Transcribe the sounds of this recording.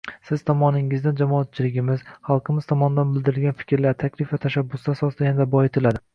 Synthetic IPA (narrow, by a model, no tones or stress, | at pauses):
sɪz̥t̪ʰɒmɒnɪŋɪzd̪and͡ʒamɒːt̪̚t͡ʃʰɪlɪɡʲɪmɪz̥χɑlˠqʰɨmɪz̥t̪ʰɒmɒnɪd̪anbɪld̪ɪɾɪlɡʲanfɪ̥kʲɾlaɾt̪ʰakʲlɪfvat̪ʰaʃabːʊsd̪asɒsɨd̪ajand̪abɒjɪt̪ʰɪlad̪ɪ